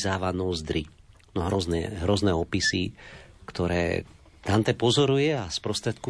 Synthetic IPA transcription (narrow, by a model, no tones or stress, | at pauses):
zaːʋanɔzd̪ɾi | nɔɦɾɔznɛ̰ɦɾɔznɛɔpisikt̪ɔɾɛ̰ː | t̪ant̪ɛpɔzɔɾujɛaspɾɔst̪ɾɛt̪̚ku